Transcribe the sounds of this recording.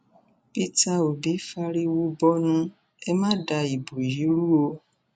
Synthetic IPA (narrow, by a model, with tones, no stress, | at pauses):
pi˧ta˧o˨bi˨˦fa˧ɾi˧wu˧bɔ˦nũ˧ | ɛ˧mãː˦da˧i˨bo˨ji˨˦ɾu˦o˧